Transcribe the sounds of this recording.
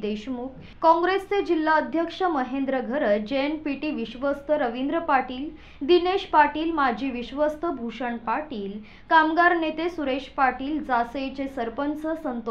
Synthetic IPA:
d̪eɕmuːk | kɔ̃ŋɡɾest͡sed͡ʑilːaəd̪ʱjəkʂəməɦẽnd̪ɾəɡʱəɾəd͡ʑenpiʈiʋiɕʋəst̪ʰəɾəʋind̪ɾəpaʈiːl | d̪ineɕpaʈiːlmad͡ʑʱiʋiɕʋəst̪əbʱuʂəɳpaʈiːl | kamɡaɾnet̪esuɾeʂpaʈiːld͡zasejt͡sesəɾpənsəsənt̪o

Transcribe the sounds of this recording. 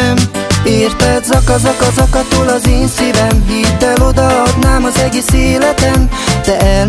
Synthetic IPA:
meːrt̪ɛt̪zɒkɒzɒkɒzɒkɒt̪oːlɒzeːnsivɛɱviːd̪ːɛlo̞d̪ɒɒd̪naːmɒzɛɡeːseːlɛt̪ɛnd̪̥ɛɛ

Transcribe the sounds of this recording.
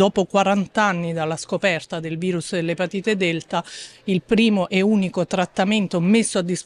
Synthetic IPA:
ɔːpokwaɾant̪anːid̪alːaskopɛrt̪ad̪elviːɾusd̪elːepat̪iːt̪ed̪elt̪ailpɾiːmoʔɛuːnikot̪ɾat̪ːament̪omesːoad̪ːis

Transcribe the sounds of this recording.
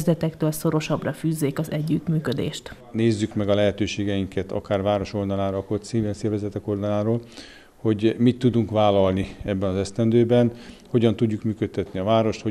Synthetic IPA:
zlɛt̪ɛkt̪øːlso̞ɾo̞ʃɒbrɒfyːzːeːkɒzɛɟːyt̪myːkø̞d̪ḛːʃt̪ | neːzːykmɛɡɒlɛɦɛt̪øːʃeːɡɛjiŋkɛt̪ɒ̰kaːrvaːɾo̞ʃo̞ld̪ɒlaːɾɒkot̪siːvɛnsɛːrvɛzɛt̪ɛko̞ld̪ɒlaːɾoːl | ho̞ɟmit̪ːud̪uŋkʋaːlɒlniɛbːɛnɒzɛst̪ɛnd̪øːbɛnho̞ɟɒnt̪uɟːukmyːkøt̪ːɛt̪niɒvaːɾo̞ʃt̪ho

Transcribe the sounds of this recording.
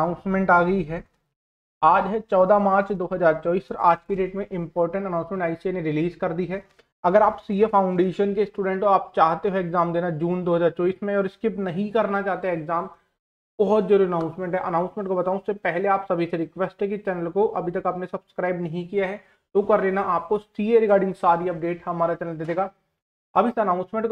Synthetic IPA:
aːʊ̃nsmɛ̃ɳʈaːɡəiɦɛː | aːd͡ʒɦɛt͡ʃɔːd̪amaːɾt͡ʃd̪oːɦɐzaːɾt͡ʃɔːbiːsɐɾaːd͡ʒkiɖeːʈmẽʔɪ̃mpɔːɾʈə̃ɳʈənãʊ̃nsmẽɳʈaːɪsienẽɾɪliːzkɐɾd̪iɦɛː | ɐɡəɾaːpsiːefʰaːʊ̃ɳɖeːʃənkesʈuːɖɛ̃ɳʈoaːp̚t͡ʃaːɦt̪eɦoeːkzaːmd̪eːnad͡ʒuːnd̪oːɦɐzaːɾt͡ʃɔːiːsmẽɔːɾɪskɪpnɐɦĩkɐɾnat͡ʃaːɦt̪eɦɛːɡzaːm | bɔɦɔt̪̚d͡ʒoːɾɪnãːʊ̃nsmẽɳʈɦɛʔɐnãːʊ̃nsmẽɳʈkobɐt̪aːũɪsːepɛɦleaːpsɐbʱiseɾɪkʋɛsʈɦɛ̃kit͡ʃɛːnəlkoʔɐbʱit̪ɐkaːpnesɐbskɾaːɪbnɐɦĩkijaɦɛ | t̪oːkɐɾleːnaʔaːp̚kossieɾɪkaːɾɖɪ̃ŋɡsaːɾiɐp̚ɖeːʈɦɐmaːɾat͡ʃɐnəld̪eːd̪eːɡa | ɐbɪsɐnãːʊ̃nsmẽɳʈ

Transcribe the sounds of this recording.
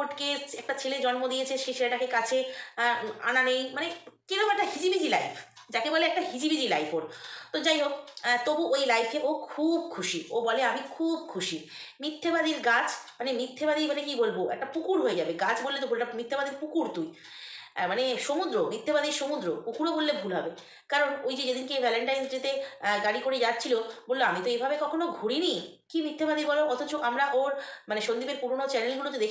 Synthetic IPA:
poʈkeɛk̚ʈat͡ɕʰeled͡ʑɔnmod̪ijet͡ɕʰeʃeʃeɾaʈakekat͡ɕʰe | a̰nanejmanekeɾɔkɛkʈaɦid͡ʑibid͡ʑilajpʰ | d͡ʑakebɔleɛk̚ʈaɦid͡ʑibid͡ʑila̰jpʰoɾt̪od͡ʑajɦokt̪obuʔojlajpʰeʔokʰub̚kʰuʃiobɔleamikʰub̚kʰuʃi | mit̪ʰːebad̪iɾɡat͡ɕʰmanemit̪ʰːebad̪imanekibolboʔɛ̰k̚ʈapukuɾɦoed͡ʑabeɡat͡ɕʰbolːet̪obʱolʈamit̪ʰːebad̪iɾpukuɾt̪uj | maneʃomud̪ɾomit̪ʰːebad̪iɾʃomud̪ɾopukuɾobolːebʱulɦɔbe | kaɾonojd͡ʑed͡ʑed̪inkekɛleɳʈajnd͡ʑet̪eɡaɽikoɾed͡ʑatːt͡ɕʰilobolːoamit̪oebʱabekɔkʰonoɡʱuɽini | kimit̪ʰːebad̪ibɔloʔɔt̪ʰot͡ɕoʔamɾaʔoɾmaneʃond̪ibeɾpuɾonot͡ɕɛnelɡulot̪̬od̪ekʰ

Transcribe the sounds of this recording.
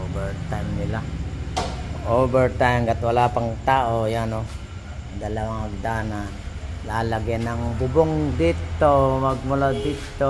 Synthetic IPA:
obɛɹt̪ajmnɪla | ʔoːbɛɹt̪ajmɡat̪walaːpaŋt̪aːʔojano | d̪ɐlɐwaŋɐɡ̚d̪ana | laːlaɡanɐŋbʊboŋd̪it̪ːomɐɡ̚mʊlad̪it̪ːo

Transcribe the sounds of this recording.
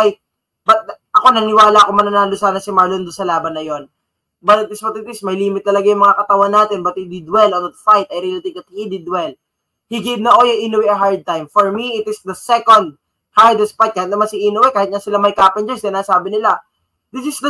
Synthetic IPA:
jt̪̚ | bɐt̪̚ʔɐko̞nɐŋɪwaːlɐkomɐnɐnaːlosaːnɐsɪmaɹlond̪ʊnsɐlaːbɐnːɐjo̞n | bɐt̪ɐt̪̚ːɪspɐt̪ɪt̪ɪsmɐjliːmɪt̪ːɐlɐɡajʊŋmɐŋakɐt̪ɐwanːaːt̪ɛnbɐt̪̚hid̪ɪd̪wɛlont̪fajt̪ɐjɾilɪt̪ikɐt̪̚hid̪ɪd̪wɛl | hiɡevnɐʔo̞jɐʔinowɛɐɦaɹd̪̚t̪ajmfoɹmiɪt̪ɪsd̪ɐsɛkond̪̚ | haɹd̪ɐspat̪̚kaːhɪt̪nɐmansɪʔinowɛkaːhɪt̪̚ɲɐsɪlamɐjkaːpɐnd͡ʒɛnsɪd̪ɐnaːsaːbɪnɪla | d̪ɪsɪsd̪ɐ

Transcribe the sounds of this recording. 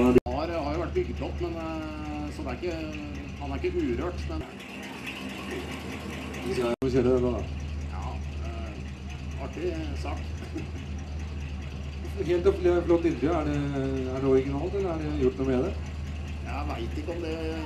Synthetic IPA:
ɑɾhɑɾjʊʋæʈːbʏɡt̪ʰɔpːmɛn | sɔd̪ɛæɾɪkːə | hɑnæɾɪkːəʔʉːɾøːʈmɛn | ʋɪsæɪɪseːɾəd̪ɛlːɑd̪ɑ̰jɑ̰ː | ɑʈːɪsɑːk | ɦeːlt̪ɔpːlɪblɔt̪ːɪɾd̪əæɖɛæɖɛɔɾɪɡɪnɑːlt̪ɛlːəɾæɖɛjʊʈːnuːmɛd̪ɛ | jæʋæɪt̪ɪkːəɔmd̪ɛ

